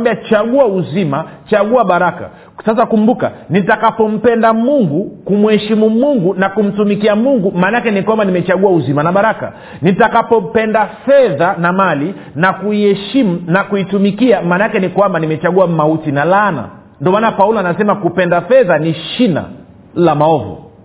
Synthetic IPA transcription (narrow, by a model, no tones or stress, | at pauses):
biat͡ʃaɠuauzimat͡ʃaɠuaɓaɾaka̰ | sasakumbuka̰nitakapɔm̩pɛndamuŋɡukumwhɛʃimumuŋɡunakum̩tumikiamuŋɡumaːnakɛnikwambanimɛt͡ʃaɠuauzimanaɓaɾaka̰ | nitakapɔpɛndafɛðanamali | nakuihɛʃim̩nakuitumikiamaːnakɛnikwambanimɛt͡ʃaɠuamautinalana̰ | ndɔmaːnapaulɔanasɛmakupɛndafɛðaniʃina̰ | lamaɔvɔ̰